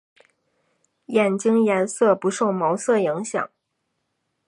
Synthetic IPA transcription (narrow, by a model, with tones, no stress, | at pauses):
jɛ˨˩nt͡ɕi˥ŋjɛ˧˥nsɤ˥˩pu˧˥ʂo˥˩ʊmo˧˥ʊsɤ˥˩i˧˥ŋɕjɑ̰˨˩˦ŋ